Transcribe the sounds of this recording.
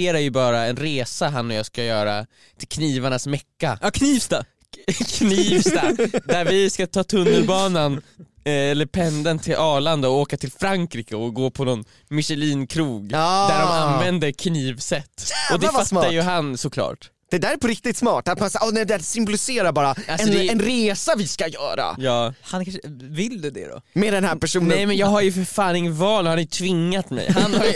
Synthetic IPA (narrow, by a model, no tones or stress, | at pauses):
eːɾajɵbɑːɾaɛnɾeːsaɦanːɔjɑːskajœːɾa̰ | t̪ʰɪlkʰniːvaɳasmɛkːakʰniːst̪a | kʰniːvst̪ad̪æɾvɪskat̪ʰɑːt̪ʰɵnːəlbɑːnan | ɛlːəɾpʰɛnd̪ənt̪ʰɪlʔɑːɭand̪aɔoːkat̪ʰɪlfɾaŋkɾiːkəɔɡoːpʰɔnɔn | mɪʂɛliːnkʰɾuːɡd̪æɾɔmanvɛnd̪əkʰniːvsɛt̪ːɔd̪ɛvatsmːajɵɦansɔkʰlɑ̰ːʈ | d̪̥ɛd̪æːɾɛpʰɔɾɪk̚t̪ɪt̪smɑːʈat̪mansaʔɔnɛjd̪ɛæsʏmbɔlɪseːɾaɾbɑːɾaaɛɔd̪ɛɛnɾeːsavɪskajœ̰ːɾa̰jɑːhankʰanʂəvɪld̪ɛd̪ɛ̰d̪ɔ̰mɛd̪ɛnhæɾpʰæʂuːnənɛjmɛnjɑːɡɦaɾjɵfœɾfaːnɪŋːəvɑːlhaɾnjt̪ʰvɪŋːat̪mɛ̰jhanhaj